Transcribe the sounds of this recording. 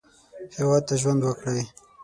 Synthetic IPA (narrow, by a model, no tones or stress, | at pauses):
hewɑd̪̚t̪aʒwand̪wəkɽaj